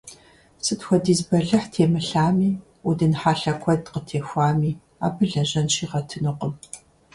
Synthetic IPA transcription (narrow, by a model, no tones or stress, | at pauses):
sɨtxʷɔdiːzbɐɮɨħtʰeːmɨɬaːmiː | udɨnħaːɬɐkʷʰɔdqətʰeːxʷaːmiː | a̰ːbɨɮɐʑɐnʃiːʁɐtʰɨnuqəm